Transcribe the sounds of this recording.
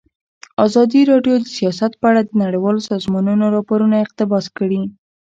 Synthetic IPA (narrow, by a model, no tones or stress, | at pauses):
ɑzɑd̪iɾɑɖjod̪əsijɑsat̪̚pəaɽad̪ənaɽijwɑlosɑzmɑnunoɾɑpoɾunaɪq̚t̪ɪbɑskəɽi